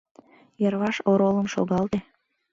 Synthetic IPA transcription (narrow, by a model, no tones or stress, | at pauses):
jəɾβɑʃoɾoləmʃo̰ɣɑld̪e